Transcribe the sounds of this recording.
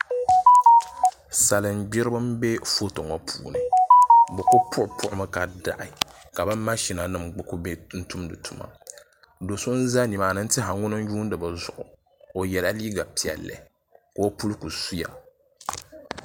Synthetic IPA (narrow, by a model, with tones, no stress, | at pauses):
sa˨lɨ˨n˦ɡ͡bɪ˦ɾɨ˦bɨ˦m˦be˦fo˦to˨ŋɔ˦pʰuː˨nɨ˨bɨ˨ko˦pʰʊ˦ʔʊ˨pʊ˦ʔʊ˦mɨ˦ka˨da̰˨ʔɪ˨ | ka˨ba˦ma˦ʃi˨na˨nɨ˦mɡ͡bɨ˦ku˦be˦n̩˦tu˦mdɨ˨tʰu˨ma̰˦ | do˨so˦n̩˦za˦ni˨maː˨nɨ˦n̩˦tɨ˦ɦa˨ŋʊ˦nɨ˦n˦juː˦n˦dɨ˨bɨ˨zʊ˨ʔʊ˨ | o˨jɛ˨la˦liː˦ɡa˨pi˨ɛ̰˨lːɛ̰˨ | ka˨o˦pu˦lku˨su˦ja̰˨